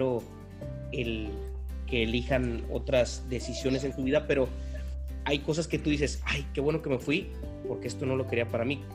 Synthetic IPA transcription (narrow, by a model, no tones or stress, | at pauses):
ɾo̞ | el | ke̞ːlixano̞̰t̪ɾazðe̞sisjo̞ne̞s̬ent̪uβiðape̞ɾo̞ | ajko̞s̬aske̞t̪uðis̬e̞sajke̞βwe̞no̞ke̞me̞fwi | po̞ɾke̞e̞st̪o̞no̞lo̞ke̞ɾiapaɾami